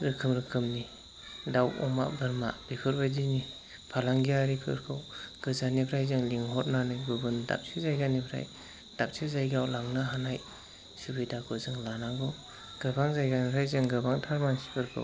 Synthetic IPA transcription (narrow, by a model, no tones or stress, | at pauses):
ɾɯkʰɯmɾɯkʰɯmni | dawɔ̰ma̰bɯɾma̰b̥ikʰɯɾbajdini | pʰalaŋɡijaɾipʰɯ̰ɾkʰɯwɡ̥ɯzanipʰɾajzɯŋliŋɦɔt̚nanɯjɡɯbɯnda̰p̚t͡ʃʰizajɡanipʰɾa̰j | d̥ap̚t͡ʃʰizajɡawlaŋnaɦanaj | subɯjdakʰɯzɯŋlanaɡɯw | ɡ̥ɯbaŋzajɡanipʰɾajzɯŋɡɯbaŋtʰaɾmaŋsi̥pʰɯɾkʰɯ̰w